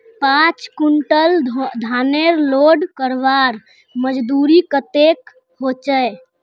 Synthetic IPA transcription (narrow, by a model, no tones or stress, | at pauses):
pãt͡ʃkuɳʈəld̪ʱaneɾloɖkəɾʋaɾ | məd͡ʒd̪uɾikət̪ek | hot͡ʃə